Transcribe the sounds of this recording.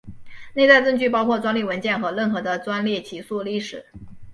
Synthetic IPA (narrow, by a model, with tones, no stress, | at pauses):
ne˥˧ɪt͡sa˥˧ɪʈ͡ʂɤ˥˧ŋt͡ɕy˥˩pɑ˥ʊkʰwɔ˥˩t͡swa˥nli˥˩wə˧˥nt͡ɕjɛ˥˩nxɤ˧˥ɻə˥˩nxɤ˧˥d̪ə˧t͡swa˥nljɛ˥˩t͡ɕʰi˧˥su˥˧li˥˩ʂɻ̩˨˩˦